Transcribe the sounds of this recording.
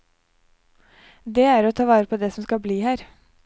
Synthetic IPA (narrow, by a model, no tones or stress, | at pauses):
d̪ɛæɾɔt̪ʰɑːʋɑːɾəpʰod̪ɛsɔmskɑbliːhæːɾ